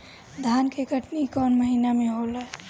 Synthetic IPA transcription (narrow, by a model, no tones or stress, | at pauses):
d̪ʱankeɡʱəʈnikɔnməɦinamẽɦolə